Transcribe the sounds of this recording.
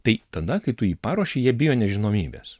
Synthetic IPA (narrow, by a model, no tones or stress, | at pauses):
t̪ɐɪt̪ɐd̪ɐkɐɪt̪ʊiːpɑːɾoːʃʲeɪjiɛbʲɪjoːnʲɛʒʲɪnoːmʲiːbʲḛːs